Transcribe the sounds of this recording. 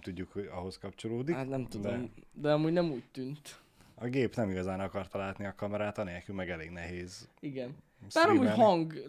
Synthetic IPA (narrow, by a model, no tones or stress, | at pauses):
t̪uɟːukhoɟɒ̰ɦo̞skɒpt͡ʃo̞loːd̪ihat̪nɛmt̪ud̪omd̪ɛɒmuːɟnɛmuːct̪ynt̪ | ɒɡeːpnɛmiɡɒzaːnɒkɒrt̪ɒlaːt̪niɒkɒmɛɾaːt̪ɒneːlkylmɛɡɛleːɡnɛɦeːziɡɛn | saːɾnɔmuɟɦɒŋɡ